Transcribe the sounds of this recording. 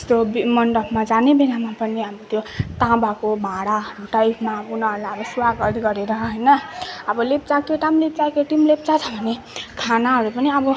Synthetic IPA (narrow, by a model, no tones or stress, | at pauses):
ʌ̥st̪obimʌnɖʌpʰmad͡zanebeɾamapʌniʌbʌt̪jot̪ãbakobʱãɽaɾuʈajpʰmabunʌɦɾulajʌbʌsuwaɡɡʌd̪iɡʌɾeɾʌɦʌjnʌʌbʌlep̚t͡sakeʈamlept͡sajkeʈimlep̚t͡sat͡sʰʌbʱʌne | kʰanaɦʌɾupʌniʌbʌ